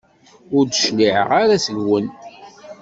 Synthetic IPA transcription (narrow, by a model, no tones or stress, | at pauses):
ʊɾd̪əʃliʕə̰ʁaɾasəɡwən